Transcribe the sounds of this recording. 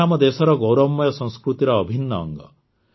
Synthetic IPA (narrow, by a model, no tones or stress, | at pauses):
amɔd̪esɔɾɔɡowɾɔmːɔjɔsɔ̃ŋ̃skɾut̪iɾɔːbʱinːɔ̰ːŋɡɔ̰